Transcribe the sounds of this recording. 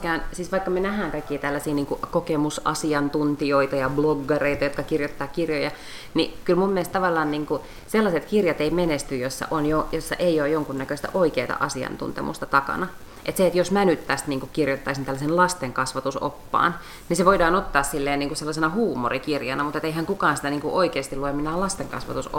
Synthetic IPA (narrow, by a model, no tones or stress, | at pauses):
kæːnsiːsʋɑikːɑmenæhæːŋkɑikːiːt̪ælːæsiːniːŋkukokemusɑ̰siɑnt̪unt̪ioit̪ɑjɑbloɡːɑreit̪ɑjot̪kɑkirjot̪ːɑːkirjojɑ | nikylmumːiest̪ɑʋɑlːɑːnniːŋku | selːɑset̪kirjɑt̪eimenest̪yjosːɑ̰ʔonjojosːɑ̰ʔeijoːjoŋkunːækøst̪æ̰ʔoikeːt̪ɑ̰ʔɑsiɑ̰nt̪ṵnt̪ḛmṵst̪ɑt̪ɑkɑ̰nɑ | ʔet̪seet̪josmænyt̪ːæst̪niːŋkukkirjot̪ːɑisint̪ælːæsenlɑst̪eŋkɑsʋɑt̪uso̰pːɑ̰ːn | niseʋoidɑːnot̪ːɑːssilːeːniːŋkuselːɑsenɑhuːmorikirjɑnɑmut̪et̪eihæŋkukɑːnsit̪æniːŋkuʔoikeːst̪ilueminæːlɑst̪eŋkɑ̰sʋɑ̰t̪us